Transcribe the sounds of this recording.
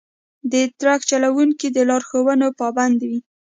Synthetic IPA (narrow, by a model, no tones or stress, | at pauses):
d̪ət̪ɾaxt͡ʃalawuŋkid̪əlɑɾxowənopɑband̪wi